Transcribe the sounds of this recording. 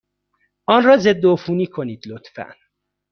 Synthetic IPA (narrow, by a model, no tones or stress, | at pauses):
ʔɒnrɒːze̞d̪ːoofuːniːkʰo̞niːd̪̥lot̪fæ̰n